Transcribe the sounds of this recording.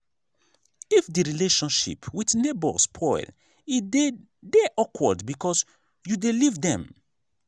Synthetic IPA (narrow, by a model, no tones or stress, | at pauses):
ifdiɹileʃɔ̃nʃḭpwidnebɔspʰɔɪl | i | deʔɔkʰwədbikɔs | judelivdɛ̃m